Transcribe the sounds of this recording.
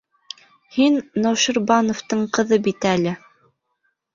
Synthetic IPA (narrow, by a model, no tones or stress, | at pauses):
hinːowʃɤ̆ɾbɑnŏft̪ɤɴqɤ̆ðɤbit̪ælɘ